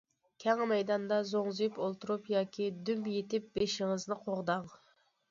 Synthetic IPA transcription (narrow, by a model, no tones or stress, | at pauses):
kʲʰɛŋmɛjd̪ɑnd̪ɑzoŋzɨjypolˠt̪ʰuɾupjɑːkʲʰid̪ympjet̪ɪp̚beʃɪŋɨznɨqʰoʁd̪ɑŋ